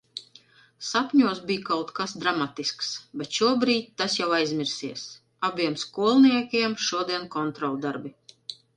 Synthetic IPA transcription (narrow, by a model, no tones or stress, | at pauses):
sapʲɲuɔsbiːjkawt̪kasd̪ɾamat̪isksbʲɛt̪ʃuɔbɾiːt̪̚ʲt̪asjawajzmʲiɾsiɛs | abʲiɛmskuɔlˠniɛkʲiɛmʃuɔd̪iɛnkɔnt̪ɾɔlˠd̪aɾbi